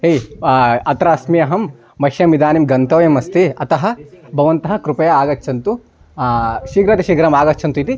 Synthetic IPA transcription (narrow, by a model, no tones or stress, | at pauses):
ɦejɐt̪ɾaːsmijɐɦɐmː | ɐʃjɐmid̪aːnimɡɐnt̪ɐʋɐjɐmɐst̪iɐt̪ɐɦɐ̆bʱɐʋɐnt̪ɐɦɐ̆kɾupɐjɐaːɡɐtːt͡ʃʰɐnt̪u | ʃiːɡɾɐt̪ɐʃiːɡɐɾɐmaːɡɐt͡ʃːt͡ʃʰɐnt̪uit̪i